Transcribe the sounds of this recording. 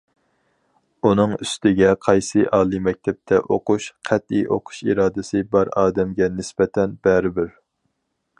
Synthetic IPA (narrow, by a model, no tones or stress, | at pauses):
unɨŋyst̪ʰɪɡʲɛqʰɑjsɨʔɑːlˠɨmɛk̚ʲt̪ʰɛp̚t̪ʰɛʔoqʰuʃqʰæt̪iʔo̰qʰʊ̥ʃiɾɑːd̪ɨsɨbɑɾɑ̰ːd̪ɛmɡʲɛnɪsbɛt̪ʰɛnbɛɾɪbɪɾ